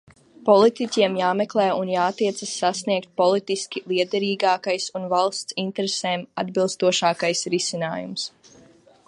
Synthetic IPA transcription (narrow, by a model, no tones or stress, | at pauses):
pɔlˠit̪icʲiɛmjaːmeklˠɛːjunjaːt̪ːiɛt̪sasːasniɛkt̪̚pɔlˠit̪iskʲilˠiɛd̪ɛɾiːɡaːkajsunvalˠst̪sint̪ɛɾeseːma̰d̪bilˠst̪uɔʃaːkajsɾisinaːjṵms